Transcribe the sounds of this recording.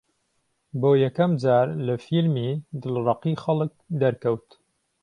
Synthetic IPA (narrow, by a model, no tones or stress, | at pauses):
boːjɛkɐmd͡ʒaːɾlɐfilmiːd̪ɨlrˤɑqixɐlɨk̚d̪ɐɾkɐwt̪